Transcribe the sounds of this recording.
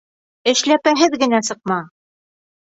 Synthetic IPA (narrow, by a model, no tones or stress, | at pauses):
ɘ̆ʃlæpæɦɘðɡɘ̆næsɤ̆q̚mɑ